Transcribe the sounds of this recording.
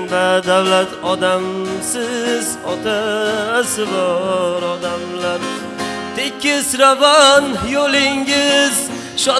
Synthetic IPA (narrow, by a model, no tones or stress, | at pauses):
nd̪ad̪awlat̪ʰɒd̪amsɪzɒt̪ʰasɪbɔɾɒd̪amlaɾ | t̪ʰekʰʲːɪsɾavɒnjolɪŋɪz | ʃɒ